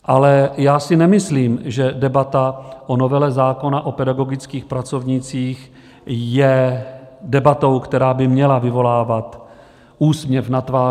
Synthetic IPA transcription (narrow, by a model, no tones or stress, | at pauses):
ʔalɛjaːsɪnɛmɪsliːmʒɛdɛbat̪aʔono̞vɛlɛzaːko̞naʔo̞pɛdaɡo̞ɡɪt͡skiːxpɾat͡so̞vɲɪt͡siːx | jɛ | dɛbat̪o̞wkt̪ɛɾaːbɪmɲɛlavɪvo̞laːvat̪ | ʔuːsmɲɛfnat̪vaː